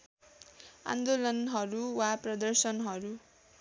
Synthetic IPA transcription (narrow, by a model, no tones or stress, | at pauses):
a̰nd̪olʌnɦʌɾuwaprʌd̪ʌrsʌnɦʌɾu